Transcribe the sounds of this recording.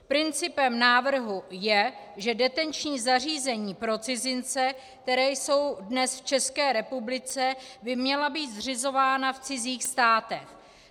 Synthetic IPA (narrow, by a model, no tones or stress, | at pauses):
pɾɪnt͡sɪpɛmnaːvr̩ɦujɛ | ʒɛdɛt̪ɛnt͡ʃɲiːzar̝iːzɛɲiːpɾo̞t͡sɪzɪnt͡sɛk̚t̪ɛɾɛːjso̞wdnɛsft͡ʃɛskɛːɾɛpublɪt͡sɛbɪmɲɛlabiːt̪zr̝ɪzo̞vaːnaft͡sɪziːxst̪aːt̪ɛx